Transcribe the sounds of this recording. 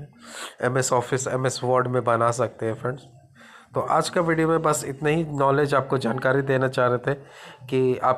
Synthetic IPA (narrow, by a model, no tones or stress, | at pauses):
ɛmɛsɔːfɪsɛ̰mɛsʋɔːɾɖmẽbɐnas̬ɐk̚t̪eɦɛ̃fɾɐ̃ɳɖs | t̪oʔaːd͡ʒkaʋiːɖijomẽbɐsɪt̪naɦinɔːleːd͡ʒaːp̚kod͡ʒaːnkaːɾid̪eːnat͡ʃaːɦɾet̪ʰɛkiaːp